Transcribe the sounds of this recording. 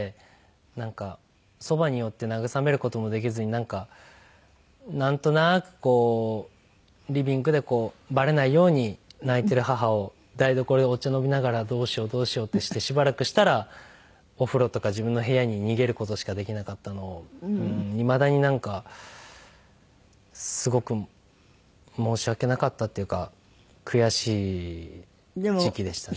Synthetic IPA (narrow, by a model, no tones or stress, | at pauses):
e | nãŋka | so̞baɲ̟ijo̞t̪ːe̞naɡɯ̟same̞ɾɯ̟ko̞t̪o̞mo̞d̪e̞k̬ʲizɨɲ̟inãŋka | nãnt̪o̞nakɯ̟̥ko̞ː | ɾʲibʲĩŋɡɯ̟d̪e̞ko̞ː | baɾe̞naijo̞ːɲ̟inait̪e̞ɾɯ̟ɦaɦao̞ | d̪aid̪o̞ko̞ɾoeo̞t͡ɕano̞bʲinaɡaɾad̪o̞ːɕio̞d̪o̞ːɕijo̞ːt̪ːe̞ɕi̥t̪e̞ɕibaɾakɯ̟ɕi̥t̪aɾa | o̞ɸɯ̟ɾo̞t̪o̞kaʑibɯ̟̃nːo̞ɦe̞jaɲ̟iɲ̟iɡe̞ɾɯ̟ko̞t̪o̞ɕi̥kad̪e̞kʲinakat̪ːano̞ːɯ̃imad̪aɲ̟inãŋka | sɨɡo̞kɯ̟ | mo̞ːɕiβake̞nakat̪ːat̪ːeɯ̟ka | kʰɯ̟jaɕiː | d͡ʑikʲid̪e̞ɕi̥t̪a